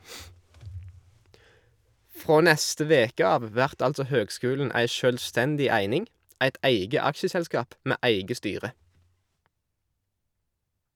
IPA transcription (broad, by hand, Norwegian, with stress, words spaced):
ˈfʁoː ˈnɛstə ˈʋeːkə ˈɑːʋ ˈʋæʁt ˈɑltsɔ ˈhøːɡˌskʉːln̩ ˈæɪ ˈʃøːlˌstɛndɪ ˈæɪnɪŋ ˈæɪt ˈæɪɡə ˈɑkʃəsɛlˌskɑːp ˈmeː ˈæɪɡə ˈstyːʁə